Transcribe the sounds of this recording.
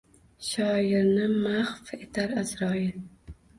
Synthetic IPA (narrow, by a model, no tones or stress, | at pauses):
ʃɑːjɪɾnɨmaχfet̪ʰaɾazɾɑːjil